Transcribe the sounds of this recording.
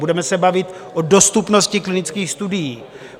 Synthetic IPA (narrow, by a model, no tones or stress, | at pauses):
budɛmɛsɛbavɪt̪ʔodost̪upnoscɪklɪnɪt͡skiːxst̪udɪjiː